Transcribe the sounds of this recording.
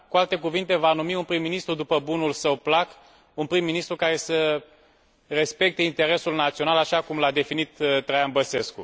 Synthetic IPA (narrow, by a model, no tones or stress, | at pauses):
kualt̪e̞k̬uvint̪e̞vanumiunpɾimːinist̪ɾud̪upəbunulsəwplak | unpɾimːinist̪ɾukaɾe̞sə | re̞spe̞k̚t̪e̞int̪e̞ɾe̞sulnat̪sionalaʃakumlad̪e̞finit̪ːɾajanbəse̞skṵ